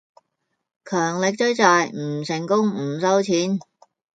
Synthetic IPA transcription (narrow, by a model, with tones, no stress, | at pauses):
kʰœː˨˩ŋlɪ˨k̚t͡sɵ˥ɥt͡saː˨˧jm̩˨˩sɪ˨˩ŋkʊ˥ŋm̩˨˩sɐ˥wt͡sʰiː˨˥n